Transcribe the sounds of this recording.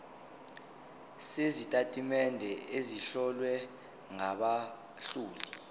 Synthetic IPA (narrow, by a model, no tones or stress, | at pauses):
sezitʼatʼimɛndʱɛeziɬɔlwɛ | ŋaɓa | ɬuːli